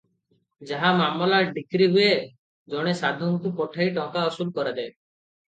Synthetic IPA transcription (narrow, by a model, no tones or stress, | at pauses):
d͡ʒaɦamamɔlaɖikɾiɦue | d͡ʒɔɽ̃esad̪ʱɔnt̪upɔʈʰaiʈɔ̃kaɔsulkɔɾed̪ae